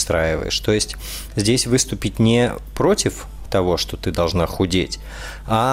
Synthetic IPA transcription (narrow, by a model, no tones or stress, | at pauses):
st̪ɾajɪvə̰jɪ̰ʂt̪o̞jɪsʲtʲ | zʲdʲesʲvɨst̪ʊpʲɪt̚ʲnʲɪpɾo̞tʲɪf | t̪ɐvo̞ʂt̪o̞t̪ɨd̪ɐlˠʐnaxʊdʲetʲ | a